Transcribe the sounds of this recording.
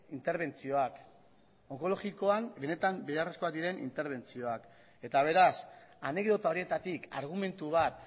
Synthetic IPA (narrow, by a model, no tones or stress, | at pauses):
int̪e̞ɾβ̞e̞nt͡sio̞ak | o̞ko̞lo̞ɣiko̞ambe̞ne̞t̪ambejare̞sko̞ad̪iɾe̞nʔḭnt̪e̞ɾβ̞e̞nt͡sio̞ak | e̞t̪aβ̞e̞ɾasane̞kd̪o̞t̪aoɾie̞t̪at̪ika̰ɾɣ̞ume̞nt̪uβ̞at̪